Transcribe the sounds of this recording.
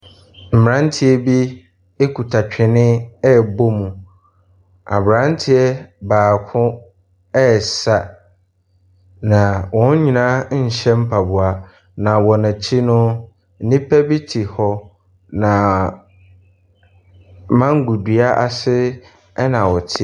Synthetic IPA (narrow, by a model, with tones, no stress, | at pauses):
m̩˨m˨ɾã˦n˦tʰɪ˦ɛ˦bi˦ | e˦kʰu˨tʰa˨t͡ɕᶣʰɪ˨nɪ̃˦ɛ˦˨bo˦mũ˨ | a̰˨bɾã˦n˦tʰɪ˦ɛ˦baː˨kʰʊ̃˦ | ɛ˦˨sa˨ | nã˨wɔ̃˦n̩˦ɲĩ˨nã˦˨ɕɛ̃˦m̩˦pʰa˨bʊ˨a˨ | nã˨wɔ˨nã˨t͡ɕʰi˦nʊ̃˦ | n̩˦nĩ˦pʰɛ˦bi˦tʰi˨hɔ˦ | nã˨ | mã˦ŋ˦ɡu˨dɥa˦ʔa˨sɪ˦ | ɛ˦nã˨wɔ˨tʰɪ˦